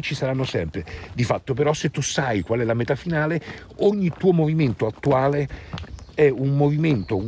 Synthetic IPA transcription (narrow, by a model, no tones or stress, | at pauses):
t͡ʃisaɾanːosɛmpɾed̪ifat̪ːopeɾɔsːet̪ːusajkwalɛlamet̪afinaːle | oɲːit̪ːuːomoviment̪oat̪ːuaːle | ɛunmoviment̪o